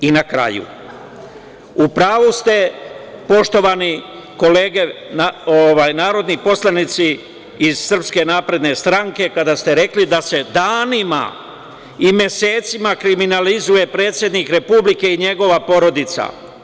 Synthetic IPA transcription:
inakɾa̰jṵ | upɾaːʋust̪e̞po̞ʃt̪o̞ʋani | ko̞le̞ːɡe̞naoʋaːjnaːɾo̞d̪nipo̞slˠanit̪si | iz̥sr̩pske̞naːpɾe̞d̪ne̞st̪ɾaŋke̞kad̪ast̪eɾe̞klid̪ase̞d̪aːnima̰ | imje̞se̞ːt̪simakɾiminalizuje̞pɾe̞ːt̪sje̞d̪nikɾe̞publike̞iɲe̞ɡo̞ʋapo̞ɾo̞d̪it̪sa̰

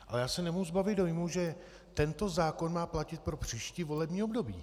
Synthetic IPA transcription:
ʔalɛjaːsɛnɛmoɦuzbavɪt̪do̞jmuʒɛ | t̪ɛnt̪o̞zaːko̞nmaːplacɪt̪̚pɾo̞pr̥iːʃcɪvo̞lɛbɲiːo̞bdo̞bḭː

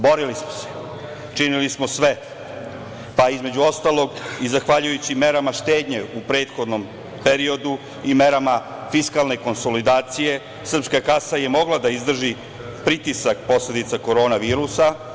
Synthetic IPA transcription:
bo̞ɾilismo̥se̥ | t͡ʃinilismo̞sʋe̞ | paizme̞d͡ʑuo̞st̪aːlˠo̞ɡizaxʋaʎujut͡ɕime̞ɾamaʃt̪e̞ːd̪ɲeupɾe̞ːt̪xo̞d̪no̞m | pe̞ɾio̞d̪u | ime̞ɾama | fiskalne̞ko̞nso̞lid̪aːt̪sije̞ | sr̩pskakasaje̞mo̞ɡlˠad̪aizd̪r̩ʒi | pɾit̪isakpo̞sle̞d̪it̪sako̞ɾo̞ːnaʋiːɾusa

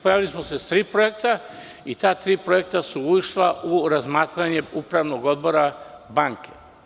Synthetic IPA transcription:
po̞jaːʋilismose̞st̪ɾiːpɾo̞jekt̪a | it̪aːt̪ɾiːpɾo̞je̞k̚t̪asuuiʃlauɾazmaːt̪ɾaɲe̞upɾaʋno̞ɡo̞d̪̚bo̞ɾabaŋke̞̥

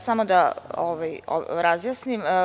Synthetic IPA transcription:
samod̪aoʋajo̰ɾazjasnim

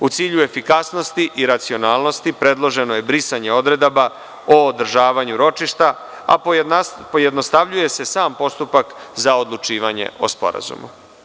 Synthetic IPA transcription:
ut̪siːʎue̞fikasno̞st̪iʔiɾat̪sio̞naːlˠno̞st̪ipɾe̞d̪lˠo̞ʒe̞no̞je̞bɾisaɲe̞o̞d̪ɾe̞d̪aba | o̞ːd̪r̩ʒaːʋaɲuɾo̞t͡ʃiʃt̪a | a̰ | pojed̪no̞st̪aʋʎuje̞se̞saːmpo̞st̪upakzaod̪lˠut͡ʃiːʋaɲḛo̞̰spo̞̰ɾa̰zṵmṵ

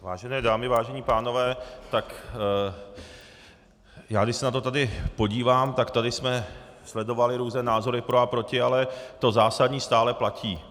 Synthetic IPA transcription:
vaːʒɛnɛːdaːmɪvaːʒɛɲiːpaːno̞vɛːt̪ak | jaːɡdɪʃsɛnat̪o̞t̪adɪpo̞ɟiːvaːmt̪akt̪adɪsmɛ | slɛdo̞valɪɾuːznɛːnaːzo̞ɾɪpɾoapɾo̞cɪalɛt̪o̞zaːsadɲiːst̪aːlɛplacʰiː

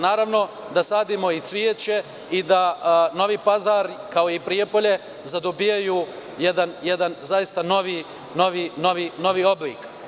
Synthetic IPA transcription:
naːɾaʋno̞ | d̪asaːd̪imo̞it̪sʋiet͡ɕe̞ | id̪ano̞ʋipazaɾkaoipɾiepo̞ʎe̞ | zad̪obijaju | jed̪anjed̪anzajist̪ano̞ʋi | no̞ʋino̞ʋino̞ʋiːo̞blḭːk

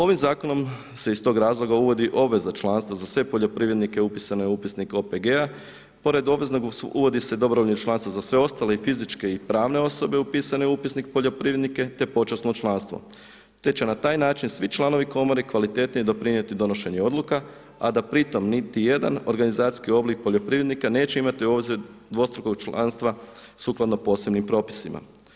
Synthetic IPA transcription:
o̞ʋimzaːko̞no̞m | se̞ist̪o̞ːɡɾaːzlˠo̞ɡauʋo̞d̪iʔo̞bʋe̞zat͡ʃlˠaːnst̪ʋazasʋe̞po̞ʎo̞pɾiːʋɾe̞d̪nikeupisaneupisniko̞peɡea | po̞ɾe̞d̪o̞ʋe̞znoɡuʋo̞d̪ised̪o̞bɾooʎɲut͡ʃlˠanst̪ʋazasʋe̞o̞st̪ale̞ifizit͡ʃke̞ipɾaːʋne̞o̞so̞be̞upisane̞upisnik̚po̞ʎopɾiːʋɾed̪nike̞t̪e̞po̞t͡ʃasnot͡ʃlˠanst̪ʋo̰ | t̪e̞t͡ɕenat̪aːjnaːt͡ʃinsʋit͡ʃlˠano̞ʋiko̞mo̞ɾikʋalit̪e̞t̪nid̪o̞pɾiɲje̞t̪id̪o̞no̞ʃe̞ɲeo̞d̪luka | a̰d̪apɾit̪o̞mnit̪ije̞d̪a̰no̞ɾɡanizaːt̪i̥skio̞blik̚poʎo̞pɾiʋɾed̪nikane̞ːt͡ɕe̞imat̪io̞ːziɾd̪ʋo̞st̪ɾuko̞ɡ̚t͡ʃla̰nst̪ʋa | suklˠad̪no̞po̞ːse̞bnimpɾo̞ːpi̥sima̰

